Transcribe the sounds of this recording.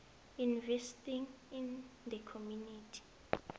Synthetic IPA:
invɛstĩŋ | ind̪əkʰomjunitʰi̥

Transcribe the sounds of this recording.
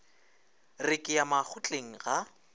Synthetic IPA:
rɪkʼɪjamak͡xʰʊt͡ɬʼeŋ̩ɣa

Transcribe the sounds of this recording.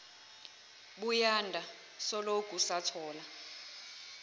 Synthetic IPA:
ɓujandʱa | sɔloɡ̥ʱusatʰɔːla

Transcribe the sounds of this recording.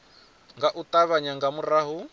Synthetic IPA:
ŋɡaʔut̪ʼaβaɲaŋɡamuraɦu

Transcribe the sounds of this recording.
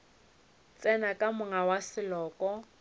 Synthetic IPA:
t͡sʼɛnakʼamʊŋawasɪlɔːkʼɔ

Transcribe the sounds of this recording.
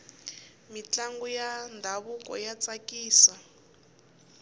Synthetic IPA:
mit͡ɬaŋɡujandʱaβukʼɔ̰jat͡sakiːsa

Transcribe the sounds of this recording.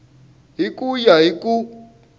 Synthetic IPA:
ɦikʼujaɦikʼu

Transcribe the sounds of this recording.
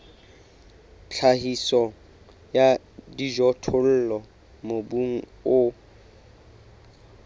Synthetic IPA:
t͡ɬʰahisɔ | ja | diʒɔtʰʊl̩ːlɔ | mobuŋ̩ | ʊ

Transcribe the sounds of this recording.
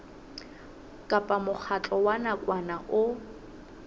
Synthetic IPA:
kʼapʼamʊk͡xʰat͡ɬʼɔwanakʼwanaʔʊ

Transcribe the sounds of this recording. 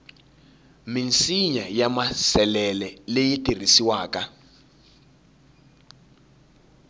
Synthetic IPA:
minsiɲajamasɛlɛlɛlejitʼir̤isiwaːka

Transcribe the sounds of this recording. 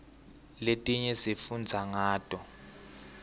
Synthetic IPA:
letʼiɲɛsifund͡zʱaŋaːtʼɔ

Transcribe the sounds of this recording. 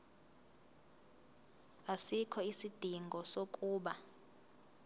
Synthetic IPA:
asikʰɔisid̥ʱiŋɡʱɔsokʼuːɓa

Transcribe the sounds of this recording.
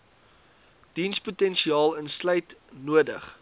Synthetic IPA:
d̥insputɛnʃiɑːlˠənsləjtnuədə̰χ

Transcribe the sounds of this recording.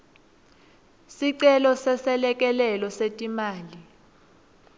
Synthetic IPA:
siǀɛlɔsɛsɛlɛk̬ʼɛlɛlɔsetʼimaːli

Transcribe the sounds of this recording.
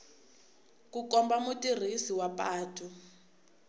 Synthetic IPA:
kukɔmbamutʼir̤isiwapaːtʰʼu

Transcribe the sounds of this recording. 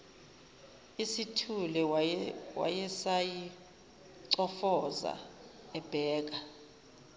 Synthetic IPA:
isitʰulɛ | wa̰jɛsaji | ǀɔfɔza̰ | ɛb̥ʱɛːk̬a

